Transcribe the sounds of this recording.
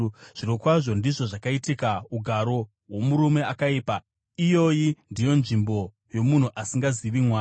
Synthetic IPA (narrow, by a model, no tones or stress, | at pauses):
ʐ̥iɾokwaʐo̞ndiʐo̞ʐakaitikauɡʱaɾo̞ | ɦwo̞muɾume̞akaiːpa | ijo̞indijo̞nʐimbo̞ | jo̞mun̤uʔasiŋɡaziʋimwaː